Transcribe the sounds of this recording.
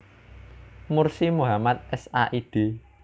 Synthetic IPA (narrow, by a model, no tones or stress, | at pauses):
mursimuɦamat̪̚ɛsaʔiɖ̥e̤